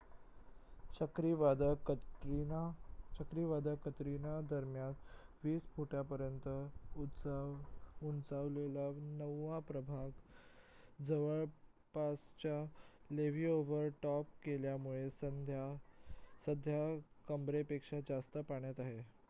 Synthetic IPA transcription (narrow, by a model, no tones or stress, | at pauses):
t͡ɕəkɾiʋad̪ | t͡ɕəkɾiʋad̪ʱakət̪ɾinad̪əɾmjãt̪ʋiːspuʈapəɾjənt̪əu | unt͡saʋlelanəʋːapɾəbʱaɡ | d͡zəʋəɭ | past͡ɕa | leʋiːoʋəɾʈɔp̚keljamuɭesəd̪ja | səd̪ʱjakəmbɾepekʂad͡zast̪əpaɳjat̪aɦe